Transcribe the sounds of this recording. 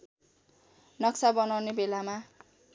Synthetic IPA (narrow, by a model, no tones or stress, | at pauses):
nʌksabʌnawnebelama